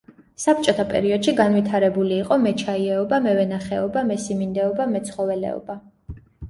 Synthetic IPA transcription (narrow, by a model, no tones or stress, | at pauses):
sap̚ʰt͡ʃʼɔt̪ʰapʼɛ̰ɾiɔd̪̥ʃiɡanwit̪ʰaɾɛbuliːqʼɔmɛt͡ʃʰaiɛɔbamɛvɛnaχɛɔbamɛsimind̪ɛɔbamɛt̪sʰχɔvɛlɛ̰ɔ̰ba